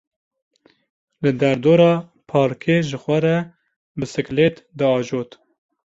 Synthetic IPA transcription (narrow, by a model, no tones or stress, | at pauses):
lɨd̪ɛɾd̪oːɾɑː | pʰɑːɾkʰeʒɨxʷɛɾɛ | bɨsɨkleːt̪d̪ɨɑːʒoːt̪